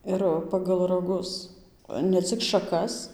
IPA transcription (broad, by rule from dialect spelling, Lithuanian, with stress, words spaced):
ˈɪr ˌpɑːɡɐlˠ rɐˈɡʊs nʲɛ ˈt͡sʲɪk ʃɐˈkɐs